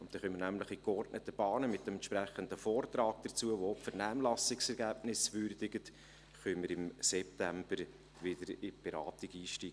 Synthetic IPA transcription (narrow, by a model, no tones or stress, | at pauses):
ʊntd̥̪ɛχœmənæmləχikɔrdnət̪ːəb̥ɑːnəmɪt̚d̥ɛmɛntʃpɾæχənd̪əfɔːrt̪rɑːɡ̥̚d̥̪ət͡suəʋoɔpfɛɾnæːmlɑsɪksɛɾɡæːbnɪsʋʏɾdɪɡət | χœməɾɪmsɛp̚t̪æmbəɾ | ʋɪdəɾɪb̥ɛɾɑːt̪ɪɡiːʃtiːɡ̥